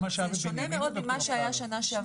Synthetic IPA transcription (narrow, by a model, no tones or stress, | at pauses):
aʃaʃonemeod̪̚imaʃeajaʃanaʃea